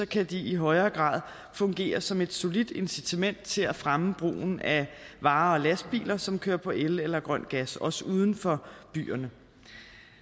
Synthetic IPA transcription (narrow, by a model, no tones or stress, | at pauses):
ɒ̽kʰæd̥iiɦɒ̽ɪɐːɡ̥ʁɑ̰̈ːðˠ | fɔ̽ŋɡ̥e̝̰ːɐsɒ̽me̝d̥so̝lid̥e̝nsit͡sʰæmen̰d̥̚t͡sʰe̝læfʁaməb̥ʁo̰ːn̩æʋɑ̈ːɒ̽læs̚b̥ḭːlɐsɒ̽mkʰøːɐpʰɒ̽ʔelelɐɡ̥ʁɶn̰̥ɡ̥æsɒ̽səuːð̞ˠn̩fɒ̽b̥y̰ːɐnə